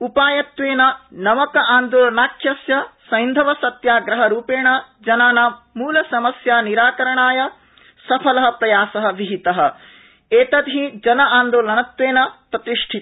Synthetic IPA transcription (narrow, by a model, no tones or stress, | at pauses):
upaːjɐt̪ʋeːnɐnɐmɐkɐʔaːnd̪oːlɐnaːkʰjɐsjɐsɐjnd̪ʱɐʋɐsɐt̪jaːɡɾɐɦɐɾuːpeːɳɐd͡ʒɐnaːnamuːlɐsɐmɐsjaːniɾaːkɐɾɐɳaːjɐ | sɐpʰɐlɐɦɐpɾɐjaːsɐɦɐ̆ʋiɦit̪ɐɦɐ̆ | eːt̪ɐd̪ɦid͡ʒɐnɐaːnd̪oːlɐnɐt̪ʋeːnɐpɾɐt̪iʂʈʰi